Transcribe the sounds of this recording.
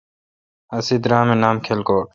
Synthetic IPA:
ɐsid̪ɾãːmẽnaːmkʰelkoː

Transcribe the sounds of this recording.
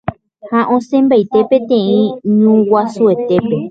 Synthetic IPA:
haʔõsẽmbajt̪e̞pẽ̞t̪ẽĩɲũwasue̞t̪e̞pe

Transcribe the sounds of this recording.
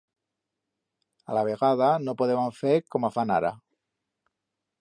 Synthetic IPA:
alaβ̞eɣað̞anopoðeβaɱfeɾkomafana̰ɾa̰

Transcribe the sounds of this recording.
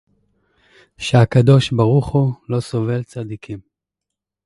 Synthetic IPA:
ʃeakad̪o̞ʃbaʁuχulo̞so̞ve̞lt͡sad̪ikʰim

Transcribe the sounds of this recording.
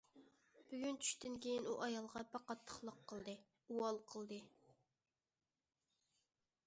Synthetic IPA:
b̥yɡʲynt͡ʃʰy̥ʃt̪ɪnkʲejinuʔɑjɑlˠʁɑbɑqɑt̪ʰːə̥χlˠəqʰːəlˠd̪ɨ | uwɑlˠqʰəlˠd̪ɨ

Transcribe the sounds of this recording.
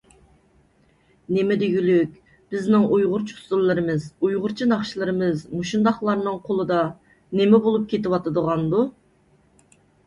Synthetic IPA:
nemɛd̪eɡʲylykʲ | b̥ɪznɪŋʔujʁʊɾt͡ʃʰu̥suɾlˠɨɾɨmɨzujʁʊɾt͡ʃʰinɑχʃilˠɨɾɨmɨzmuʃund̪ɑχlˠɑɾnɨŋqʰolˠɨd̪ɑ | nemɛbolˠup̚kʲʰet̪ɪwɑt̪ɨd̪əʁɑnd̪u

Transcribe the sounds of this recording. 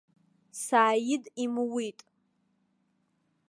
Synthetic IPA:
saːjɪdimɨwitʼ

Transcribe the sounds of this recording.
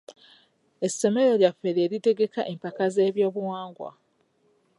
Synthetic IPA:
e̞sːe̞me̞ɾo̞ljafeɾeːɾite̞ɡe̞kaʔe̞mpakaze̞ːβjo̞ːβuwaːŋɡwa̰

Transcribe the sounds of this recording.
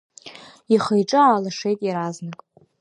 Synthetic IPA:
iχejʈ͡ʂʼɨaːlaʂe̞jtʼjaɾaznɨkʼ

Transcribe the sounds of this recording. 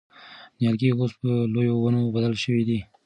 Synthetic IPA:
njɑlɡiɣospəlojowanobad̪alʃəwid̪i

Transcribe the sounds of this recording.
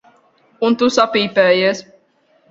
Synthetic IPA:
unt̪usapiːpɛːjeɛs

